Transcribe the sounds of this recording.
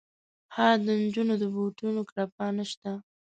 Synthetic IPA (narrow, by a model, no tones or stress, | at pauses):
hɑd̪ənd͡ʒunod̪əboʈunokɾapɑnaʃt̪a